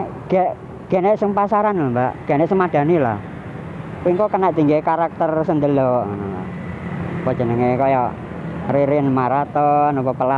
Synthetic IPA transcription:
ɡ̥ɛʔ | ɡ̥ɛnɛʔsəŋpasaɾanlambaʔɡ̥ɛnɛʔsəŋmad̥a̤nila̰h | kiŋkokənaʔt̪iŋɡekaɾak̚t̪ərsənd̪əloʔnɔ̰ | pɔ̥ʒ̥ə̤nəŋekɔjɔ | riɾɪnmaɾat̪ɔnɔpɔpəla

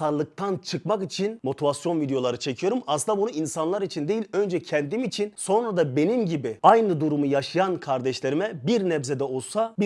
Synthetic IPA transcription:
aɾlˠɯk̚t̪ʰant͡ʃʰɯkmakit͡ʃʰinmo̞t̪ʰivasjo̞nvid̪ejo̞lˠaɾɯt͡ʃʰe̞cʰijo̞ɾumasɯnd̪abunuinsanlˠaɾit͡ʃʰind̪ejilʲø̞nd͡ʒɛcʰɛnd̪imit͡ʃʰinso̞nɾad̪abe̞nimɟibiajnɯd̪uɾumujaʃɯjankʰaɾd̪ɛʃlʲe̞ɾimɛbiɾnɛvzed̪ɛo̞lˠsabi

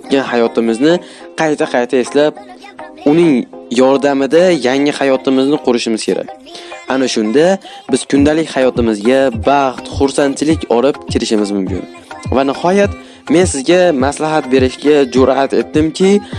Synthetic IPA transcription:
t̪̚ɡʲanhajɒt̪ʰɪmɪznɪ | qʰɑjt̪ʰaqʰɑjt̪ʰae̞slab̚ | ʊnɪŋjɒɾd̪amɪd̪ajaŋɪhajɒt̪ʰɪmɪznɪqʰʊɾɪʃɪmɪz̥kʲʰe̞ɾa̰k̚ʲ | anaʃʊnd̪a | bɪz̥kʰʊnd̪alɪkʲhajɒt̪ɪmɪzɡʲabɑχt̪χʊɾsant͡ʃɪlɪkʲɒlɪp̚kʲʰɪɾɪʃɪmɪzmʊmkʲʰɪ̰n | vanɪhɒjat̪ | me̞nsɪzɡʲamaslaɦat̪̚be̞ɾɪʃɡʲad͡ʒʊɾat̪e̞t̪̚dːɪmkʲʰɪ

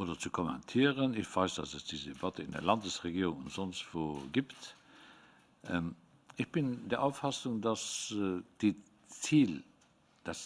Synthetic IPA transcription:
ʔoːdɐt͡sukʰɔmɛ̰ntʰiːəʁənɪçv̥aɪsd̥ɑsəsd̥iːzədebɑtəɪndḛɐlɑndəsʁeɡiːʁʊŋʊntz̥ɔnstv̥oːɡiːpt | ʔɛm | ɪçb̥ɪndeːɐʔaʊfɑsʊŋdɑsd̥i | t͡siːl | d̥ɑs

